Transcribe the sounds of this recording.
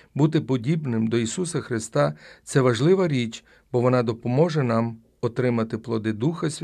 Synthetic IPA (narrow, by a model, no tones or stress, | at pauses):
but̪ɪpɔdʲibnɪmd̪ɔisusɐxɾɪst̪ɑt̪sɛʋɐʒlˠɪʋɐɾʲit͡ʃ | b̥ɔʋɔnɑd̪ɔpɔmɔʒɛnɑm | ɔt̪ɾɪmɐt̪ɪplˠɔd̪ɪd̪uxɐsʲʋʲ